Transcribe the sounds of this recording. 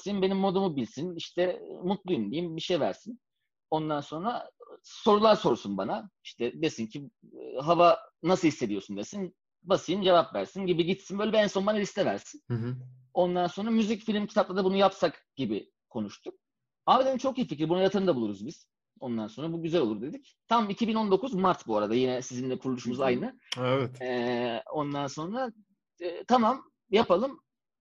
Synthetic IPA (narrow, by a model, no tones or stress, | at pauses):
sinbe̞nimːo̞d̪umubilʲsiniʃt̪ʰɛmut̪lˠujumd̪ijimbiʃe̞jvæ̰ɾsin | o̞nd̪anso̞nɾaso̞ɾulˠaɾso̞ɾsunbanaiʃt̪ʰɛd̪e̞sincʰi | ɦavanasɯhisːe̞d̪ijosund̪esin | basɯjɯnd͡ʒe̞vapvæ̰ɾsinɟibiɟit̪sinbøjlʲɛbiɛnso̞nbanaɾʲist̪ʰɛvæ̰ɾsin | o̞nd̪anso̞nɾamyzicfilʲmcʰi̥t̪aplˠad̪abunujapsakɟ̥ibi | kʰo̞nuʃt̪ʰuk̚ | aːbed̪enint͡ʃʰo̞kijificɾbunuajat̪ʰɯɾɯnd̪abulˠuɾuzbiz̥ | o̞nd̪anso̞nɾabuɟyzælʲo̞lˠuɾd̪e̞d̪ic | t̪ʰammicʰibino̞nd̪o̞kʰuzmaɾt̪buaɾad̪ajinɛsizind̪ɛkʰuɾlˠuʃumuzajnɯ | ɛvɛt̪ɛo̞nd̪anso̞nɾa | ɛt̪ʰamam | japalˠɯm